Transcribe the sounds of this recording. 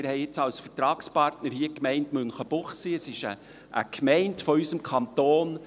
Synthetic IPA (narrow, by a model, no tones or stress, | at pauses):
ɪɾhɛɪɪt͡sɑlsfərtɾɑːkspɑrtnəɾhiːəkmɛɪntmønχəb̥ʊχsiːəsɪʃə | ʔə̰kʰmɛɪntfɔysəmkʰɑntoːn